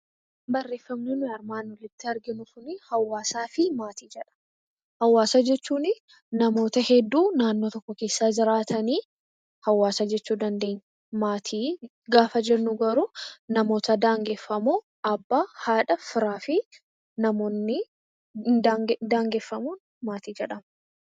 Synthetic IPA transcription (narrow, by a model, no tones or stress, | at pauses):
bɐrːe̞ːfːɐmneːnʊjɐɾmaːnɔlɪt̪ːɪɐɾɡɪnʊkʊnɪhɐwːaːsaːfɪmaːt̪iːd͡ʒɛᶑɐ̥ | hɐwːaːsad͡ʒɛt͡ʃːuːnɪ | nɐmo̞ːt̪ɐhɛd̪ːuːnaːnːoːt̪ɔkːɔke̞ːsːaːd͡ʒɪɾaːt̪ʰɐniː | hɐwːaːsad͡ʒɛt͡ʃːuːd̪ɐnd̪e̞ːɲː | maːt̪ʰiː | ɡaːfɐd͡ʒɛnːʊɡɐɾunɐmo̞ːt̪ɐd̪aːŋɡefːɐmoː | ɐbːaːhaːᶑɐfɪɾaːfɪ | nɐmoːnːɪ | d̪d̪aːŋɡeːfːɐmuːn | maːt̪iːd͡ʒɛᶑɐm